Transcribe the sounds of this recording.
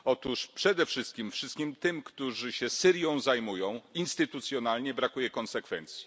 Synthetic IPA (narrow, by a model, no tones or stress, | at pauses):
ɔt̪uʂpʂɛd̪ɛfʂɘst̪̚kʲimfʂɘst̪̚kʲimt̪ɘmkt̪uʐɘɕɛsɘɾjɔ̃w̃zajmujɔ̃w̃inst̪ɘt̪ut̪sʲjɔnalɲɛbɾakujɛkɔnsɛkfɛnt̪sʲji̥